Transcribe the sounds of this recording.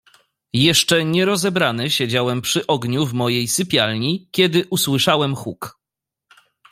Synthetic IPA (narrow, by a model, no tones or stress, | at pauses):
jɛʂt͡ʂɛɲɛɾɔzɛbɾanɘɕed͡ʑawɛmpʂɘʔɔɡɲuvmɔjejsɘpʲjalɲikʲɛd̪ɘʔuswɘʂawɛmxuk